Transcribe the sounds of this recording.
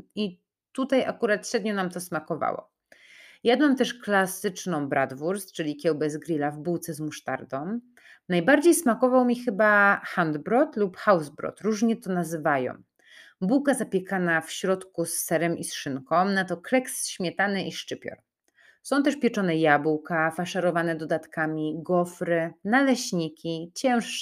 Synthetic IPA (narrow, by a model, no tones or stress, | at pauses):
i | t̪ut̪aja̰kuɾat̪ɕɾɛd̪ɲɔnamt̪ɔsmakɔva̰wɔ̰ | jad̪namt̪ɛʂklasɘt͡ʂnɔ̃w̃bɾʔad̪vuɾst͡ʂɘlʲikʲjɛwbɛzɡɾʲilavbuwt̪sɛzmuʂt̪a̰ɾd̪ɔ̃m | najbaɾd͡ʑejsmakɔvawmʲixɘbaxand̪bɾɔt̪lupxawzbɾɔ̰t̪ɾuʐɲɛt̪ɔnazɘvajɔ̰̃w | buwkazapʲjɛkanafɕɾɔt̪kusːɛɾɛmʔisʂɘnkɔ̃w̃nat̪ɔklɛksɕmʲjɛt̪anɛʔiʂt͡ʂɘpʲjɔ̰ɾ | sɔ̃w̃t̪ɛʂpʲjɛt͡ʂɔnɛjabuwkafaʂaɾɔvanɛd̪ɔd̪at̪kamʲiɡɔfɾɘnalɛɕɲikʲit͡ɕɛ̃w̃ʂ